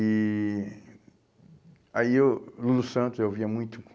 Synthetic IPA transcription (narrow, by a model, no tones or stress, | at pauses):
i | aiewlulusɐ̃nt̪ʊzewviɐmũj̃t̪ʊ